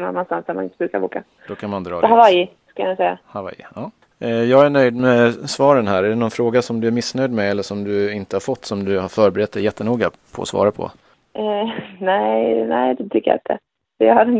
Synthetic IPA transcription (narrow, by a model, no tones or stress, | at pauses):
na̰nːɔnst̪ansɛmanɪnt̪əbɾʉːkaɾvo̰ːka | d̪ɔkʰanmand̪ɾɑːhavaj | skajansɛjːa̰hava̰jɑː | jɑːɡæɳœjd̪mɛsvɑːɾənɦæːɾæɖɛnɔnfɾoːɡasɔmd̪ɵæɾmɪsːnœjd̪mɛɛlːəʂɔmd̪ɵɪnt̪əhaɾfɔt̪ːsɔmd̪ɵhaɾfœːɾbɛɾɛt̪̚ːd̪ɛjɛt̪ʰːənuːɡa | pʰɔ̰ɔ̰svɑ̰ːɾapʰɔ̰ | nɛɪnɛɪd̪ɛt̪ʰʏkːəja̰ɪ̰nt̪ʰə̰ | əjɑhaɾɛn